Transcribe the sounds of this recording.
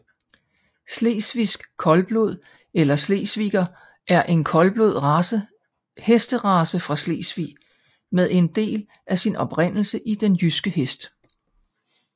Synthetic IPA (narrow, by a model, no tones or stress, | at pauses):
sle̝̰ːsʋisɡ̥kʰːɒ̽lb̥lo̝ð̞̰ˠ | elɐsle̝̰ːsʋḭːɡ̥ɐ | ʔæɐʔe̝nkʰɒ̽lb̥loð̰ˠ | hesd̥əʁɑ̈ːsəfʁɑ̈sle̝̰ːsʋḭ | meðˠe̝nd̥e̝̰ːl | ʔæsinʔɒ̽pʁen̰l̩səʔid̥enjysɡ̥əhesd̥